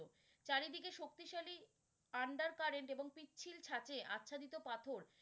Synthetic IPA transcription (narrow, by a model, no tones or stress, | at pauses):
o | t͡ɕaɾid̪ʱikeʃok̚t̪iʃali | aɳɖaɾkaɾeɳʈeboŋpitːt͡ɕʰilt͡ɕʰat͡ɕeʔa̰tːɕʰad̪it̪opat̪ʰoɾ